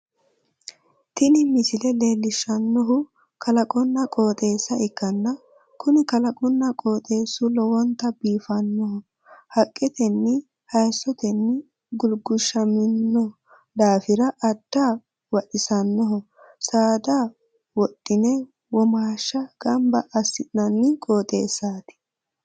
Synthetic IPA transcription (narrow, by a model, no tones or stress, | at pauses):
t̪ɪnɪmɪsɪlɛle̞ːlːɪʃɐnːɔɦʊ | kɐlɐkʼɔnːɐkʼo̞ːt̪ʼe̞ːsːɐɪkːɐnːɐ | kʊnɪkɐlɐkʼɔnːɐkʼo̞ːt̪ʼe̞ːsʊlɔwɔnt̪ɐbiːfɐnːɔɦɔ | hɐkʼːɛt̪ɛnːɪ | hɐjsːɔt̪ɛnːɪ | ɡʊlɡʊʃːɐmɪnːɔ | d̪aːfɪɾɐʔɐd̪̥ːaː | wɐɗɪsɐnːɔɦɔ | saːd̪a | wɔtʼːɪnɛ | wɔmaːʃːɐɡ̥ɐmbɐʔːsːɪnɐnːɪkʼoːt̪ʼḛːsːaːt̪ɪ̥